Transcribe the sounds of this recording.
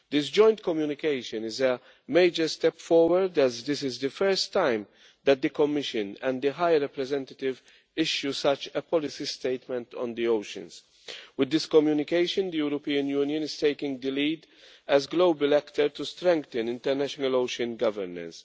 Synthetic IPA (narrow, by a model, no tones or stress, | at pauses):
d̪ɪsd͡ʒɔ̃ɪ̃nt̪kɔmjuːnɪkeɪʃɨ̃nɪzə | meɪd͡ʒəɾst̪ɛpfɔɹwəɾd̪ɛzd̪ɪsɪzd̪ɨfɛɹst̪ːãɪ̃m | d̪ɛt̪̚d̪ɨkɔmːɪʃɨ̃nɛ̃nd̪ɨɦajɾɛpɾɛzɛ̃nt̪ət̪ɪv | ɪʃjusɐt͡ʃəpɔlɪsist̪eɪt̪mɛ̃nt̪ʰɔ̰̃nd̪ioʊʃə̰̃ns | wɪd̪ːɪskɔmjuːnɪkeɪʃɨ̃nd̪ijuːɾɔpiːə̃njuːnjə̃nɪz̥t̪eɪkɪ̃ŋɡd̪əliːd̪ | ɛzɡloʊbəlɛkt̪əɾt̪ust̪ɾɛ̃ŋk̚t̪ə̃nɪ̃nt̪ɛɾnæʃɔnəloʊʃɨ̃nɡɐvəɾnə̰s